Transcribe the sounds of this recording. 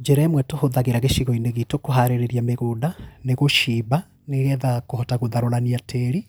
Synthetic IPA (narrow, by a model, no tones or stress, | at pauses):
d͡ʒɛɾaɛmwɛtohoðaɣeɾaɣeʃiɣɔineɣitokoɦaɾeɾeɾjameɣodaneɣoʃiβa | neɣɛðakohɔtaɣoðaɾoɾaniatʰeɾi